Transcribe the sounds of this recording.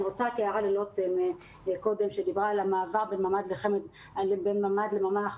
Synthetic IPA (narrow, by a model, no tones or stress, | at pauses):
iʁot͡sakeaʁalilot̪eme | ko̞d̪e̞mʃed̪ibʁaːlamaːvaʁbenmamad̪leχemed | lebenmamad̪lemama